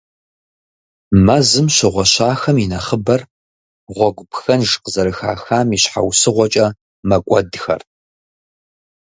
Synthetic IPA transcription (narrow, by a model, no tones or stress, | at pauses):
mɐzɨmʃɪʁʷɔɕaːxɐminɐχəbɐr | ʁʷɔɡʷʊpxɐnʐqəzɐɾɨxa̰ːxaːmiɕħa̰wsɨʁʷɔt͡ʃʼɐ | mɐkʷʼɔdxɐ̰r